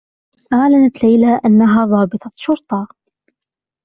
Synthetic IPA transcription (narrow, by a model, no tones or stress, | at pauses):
ʔaʕlanat̪lajlaːʔanːaɦaːðˤɑːbɨt̪ˤɑʃʊɾt̪ˤɑː